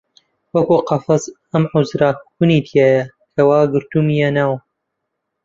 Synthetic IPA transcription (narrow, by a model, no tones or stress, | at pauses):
wɐkuːqɑfɐz | ɐmʕʊzɾaxunit̪ʰijaːjɐ | kʰɐwaːɡɨɾt̪umijanaːw